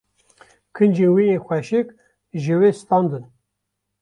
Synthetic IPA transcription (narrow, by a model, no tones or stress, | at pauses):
kʰɨnd͡ʒewijexʷɛʃɪk | ʒɨweːst̪ɑnd̪ɨn